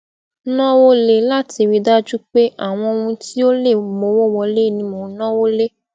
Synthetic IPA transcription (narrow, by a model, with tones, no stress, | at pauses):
nɔ̃˦wo˦le˨la˦ti˧ɾi˧da˦d͡ʒu˦k͡pe˦ʔa˦˨w̃ɔ̃˧o˧ũ˧ti˦o˦le˦˨mo˨˦wo˦˨wɔ˧le˦i˦˨nĩ˧mõ˨˦nɔ̃˦wo˦le˦